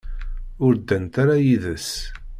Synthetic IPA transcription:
ʊɾd̪ənt̪aɾajiðəs

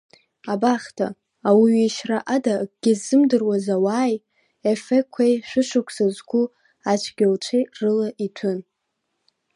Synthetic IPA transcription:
abaχtʰa̰ː | wiɥiʃraʔadaɡ̥ʲɪzːɨmdɨrwazawaːj | efekʷʰːejʃᶣʷʊʃʷakʷʰsazʷɡʷu | at͡ʃʷʰɡʲalt͡ʃʷʰejrɨlaʔitʷʰɨn

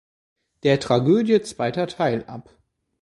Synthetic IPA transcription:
d̥eːɐtʁ̥aɡøːdjət͡sv̥aɪtɐtʰaɪlʔa̰p

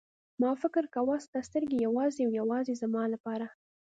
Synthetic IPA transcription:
mɑfɪkɪɾkawɑst̪ast̪əɾɡejawɑzeawjawɑzezamɑlapɑɾa

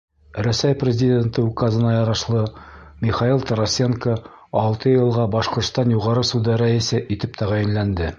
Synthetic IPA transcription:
ɾæsæjprʲɪzʲɪdʲe̞nt̪ɤukazɤ̆nɑjɒɾɑʃlˠɤmʲiχɑilˠt̪oɾɐsʲeŋkə | ɑlˠt̪ɤjɤ̆lˠʁɑbɒʃqŏɾt̪st̪ɑnjuʁɑɾɤsud̪ɤɾæisɘʔit̪ɘp̚t̪ʰæʁæjɘ̆nlænd̪ɘ

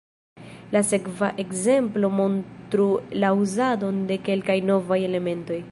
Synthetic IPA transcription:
lase̞kvaʔe̞kze̞mplo̞mo̞ntɾulauzado̞nde̞ke̞lkajno̞vaje̞le̞me̞nto̞j

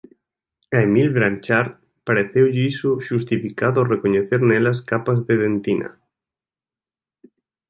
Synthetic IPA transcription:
aemilβɾant͡ʃaɾt̪ | paɾeθewʎɪisʊʃust̪ifikaðʊarekoɲeθeɾnelaskapazðeðent̪ina̰

